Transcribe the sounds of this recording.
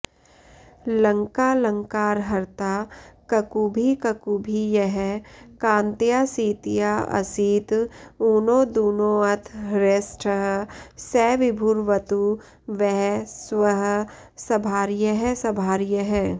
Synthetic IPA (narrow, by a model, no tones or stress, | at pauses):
lɐ̃ŋkaːlɐ̃ŋkaːɾɦɐɾt̪aːkɐkubʱikɐkubʱijɐɦɛkãːnt̪jaːsiːt̪jaɐ̰siːt̪uːnoːd̪oːnoːɐt̪ʰɾesʈʰəɦsɛːʋɪbʱuɾʋɐt̪u | ʋɛɦswɐɦ | sɐbʱaːɾjəɦɛsɐbʱaːɾjəɦɛː